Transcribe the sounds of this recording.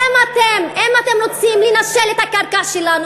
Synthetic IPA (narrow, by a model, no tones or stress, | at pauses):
emat̪emʔemat̪e̞mʁot͡simlenaʃelet̪hakaʁkaʃelanu